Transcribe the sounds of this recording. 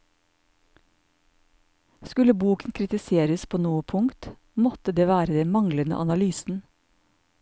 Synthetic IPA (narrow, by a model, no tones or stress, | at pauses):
skʉləbuːkənkʰɾɪt̪ɪseːɾəspʰoːnuːəpʰʊŋt̪ | mɔt̪əd̪eːʋæːɾəd̪ɛnmɑŋlənə̰ʔɑnɑlyːsn̩